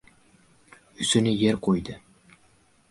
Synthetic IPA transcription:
ɵsynɪjeɾqʰojd̪ɪ

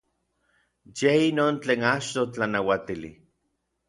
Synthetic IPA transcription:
jeinoːnt͡ɬeːnat͡ʃt̪ot͡ɬanawat̪ilḭ

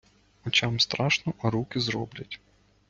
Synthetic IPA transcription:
ɔt͡ʃʲɑmst̪ɾɑʃnɔɾukɪzɾɔ̰blʲɐtʲ

